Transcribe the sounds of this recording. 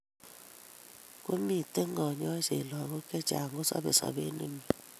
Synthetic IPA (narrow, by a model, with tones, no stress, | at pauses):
ku˦mi˨te˦ŋɔ˨ɲɔ˦se˨lɔ˨ŋo˦kɛ˦t͡ʃa̰˨ŋɡo˦sɔ̰˦be˨sɔ̰˨be˦nɨ˦mi˨